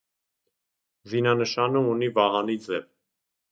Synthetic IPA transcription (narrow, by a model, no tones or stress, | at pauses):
zinɑnəʃɑnəunivɑɦɑnid͡zɛv